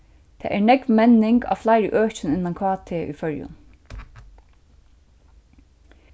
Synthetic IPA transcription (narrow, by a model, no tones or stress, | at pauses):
t̪ʰɛ̰ːʔæɹnɛkʋmɛnɪŋɡɑ̰ːʋflæɪɾə̰ʔøːt͡ʃɪnɪnɑŋkʰɑːt̪ʰeːʔy̰fœɹjʊ̰n